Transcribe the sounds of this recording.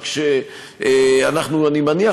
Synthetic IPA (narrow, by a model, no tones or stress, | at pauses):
kʃe | anaχnuanimania